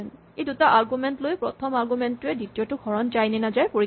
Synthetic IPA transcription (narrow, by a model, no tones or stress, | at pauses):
n | ejdutaʔaɹɡumɛntlojpɹɔtʰɔmaɹɡumɛntuɛdɹitijɔtʊɡʱɔɹɔnd͡ʒajnɛnazajpoɹi